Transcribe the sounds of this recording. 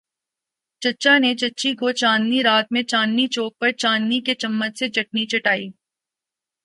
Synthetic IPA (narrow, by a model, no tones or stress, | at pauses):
t͡ʃɐtːt͡ʃanet͡ʃɐtːʃikot͡ʃãːnːiɾaːt̪̚mẽt͡ʃãːnːit͡ʃoːk̚pɐɾt͡ʃãːnːiket͡ʃɐmːət̪sed͡ʒɐʈ̚nit͡ʃɐʈaːiː